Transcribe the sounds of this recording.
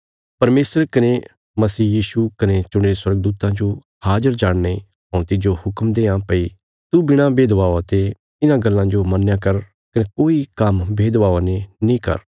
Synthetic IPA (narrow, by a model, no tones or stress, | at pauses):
pɐɾmeːsəɾkɐne | mɐsiːjiːʃukɐnet͡ʃʊɽ̃eːeswɐɾɡ̚d̪uːt̪ãd͡ʒo | haːd͡ʒəɾd͡ʒaːɽne | ɦɔ̃t̪ɪd͡ʒohʊkmd̪eːãpɐi | t̪ubɪɽ̃ãbeːd̪ʋaːot̪e | ɪnãɡɐlːãd͡ʒomɐnːjãkɐɾ | kɐnekoːikɐmbeːd̪ʋaːanenĩkɐ̰ɾ